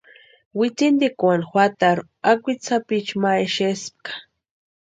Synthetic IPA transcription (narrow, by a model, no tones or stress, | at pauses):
wit͡sind̪ikwanxwʷat̪aɾ | akʷit͡sapit͡ʃmaeʃesp̚kḁ